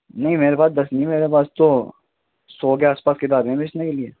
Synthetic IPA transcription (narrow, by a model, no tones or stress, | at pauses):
nɐɦĩmeːɾepaːs̚d̪ɐsnĩmeːɾepaːst̪o | sɔːɡeaːspaːskɪt̪aːɾeẽbɪt͡ʃnekelie